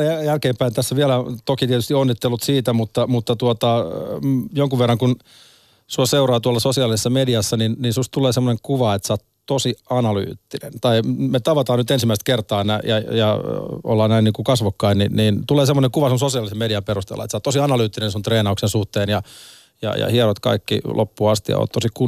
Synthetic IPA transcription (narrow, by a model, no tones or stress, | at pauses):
æjælkeːmpæint̪æsːæʋiælæt̪okit̪iɛt̪yst̪ionːit̪ːelːut̪siːt̪æmut̪ːɑmut̪ːɑt̪uot̪ɑ | joŋkuʋerːɑŋkun | suoseurɑːt̪uɑlːɑsosiɑlisesːɑmediɑsːɑninninsust̪t̪uleːsemːoneŋkuʋɑet̪sɑːt̪ | t̪osiɑnɑly̰ːt̪ːinḛnt̪ɑimet̪ɑʋɑt̪ɑːnyt̪ensimːæist̪̚kert̪ɑːnæjɑjɑo̰lːɑːnnæinniːŋkukɑsʋokːɑinninniːnt̪uleːsemːoneŋkuʋɑsemsosiɑlisemediɑperust̪ḛlːɑ̰et̪sɑːt̪ːosiɑnɑlyːt̪ːinensunt̪reːnɑuksensuht̪eːnjɑ | jɑ̰jɑ̰hieɾot̪kɑ̰ikːḭlʔo̰pːuɑst̪ijɑ̰o̰ːt̪t̪osiku